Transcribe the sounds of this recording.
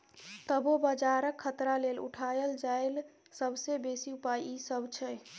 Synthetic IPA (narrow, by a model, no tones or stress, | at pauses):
t̪əbobəd͡ʒaɾəkʰːət̪ɾalelṵʈʰajəld͡ʒael | səbsebesiupajisəbt͡ʃʰɛ